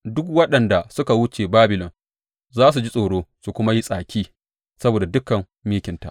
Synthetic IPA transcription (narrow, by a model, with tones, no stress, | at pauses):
dʊ˦kwɐ˦ɗɐ˨nda˨sʊ˦ka˨wʊ˦t͡ʃeː˨baː˦bɪ˨lɔ˨n | zaː˦s̬u˨d͡ʒi˦sʼoː˨ɽoː˦su˨kʷʊ˦ma˦ji˦sʼaː˨kʲiː˦ | sɐ˦boː˨da˨dʊ˦kɐ˨m | miː˦kʲɪ˨nta̰˨ʔ